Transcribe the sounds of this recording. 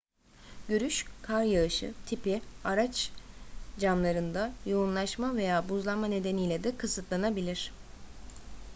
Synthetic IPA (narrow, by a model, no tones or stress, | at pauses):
ɟøɾyʃkʰaɾjaɯʃɯ̰t̪ʰipiaɾat͡ʃ | d͡ʒamlˠaɾɯnd̪ajounlˠaʃmave̞jaːbuzlˠamane̞d̪e̞nijlʲɛd̪ɛkʰɯsɯt̪lˠanabilʲiɾ̥